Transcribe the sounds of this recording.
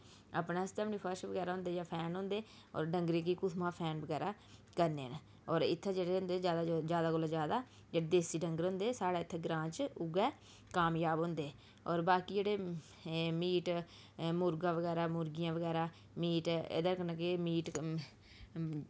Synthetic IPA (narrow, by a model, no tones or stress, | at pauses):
ə̰pneːst̪eəpnĩːpʰəɾʃʋəɡɛːɾaːɦʊ̃nd̪eːd͡ʒãːpʰɛːnɦʊ̃nd̪eː | ɔ̰ːɾɖəŋɡɾẽːkiːkʊt̪ʰmãːpʰɛːnbəɡɛːɾaː | kəɾneːn | ɔːɾɪt̪ʰːɛ̃ːd͡ʒeːɽeʊ̃nd̪eːd͡ʒaːd̪ad͡ʒaːd̪aːɡolãːd͡ʒjaːd̪aː | d͡ʒeːɽeːd̪eːsiːɖəŋɡəɾɦʊ̃nd̪eːsaːɽɛːɪt̪ʰːɛːɡɾãːt͡ʃʊɡɛː | kaːmjaːbɦʊ̃ːnd̪eː | ɔːɾbaːkiːd͡ʒeːɽeː | miːʈ | mʊɾɡãːʋəɡɛːɾaːmʊɾɡijãːʋəɡɛːɾaː | miːʈḛːd̪aːkənãːkemiːʈ